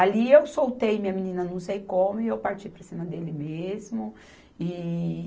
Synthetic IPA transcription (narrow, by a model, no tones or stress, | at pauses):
aliewsowt̪ejmĩɲɐminĩnɐnɐ̃w̃sejkõmʊɪewpaɾt͡ʃipɾɐsĩmɐd̪elɪmezmʊ | ɪ